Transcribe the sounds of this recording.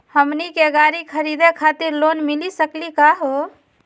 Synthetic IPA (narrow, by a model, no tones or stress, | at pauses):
həmnikeɡaɾikʰəɾid̪ekʰat̪iɾlonmilisəklikaɦo